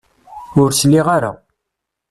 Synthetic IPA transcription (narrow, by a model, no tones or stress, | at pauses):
ʊɾslːiʁaɾa̰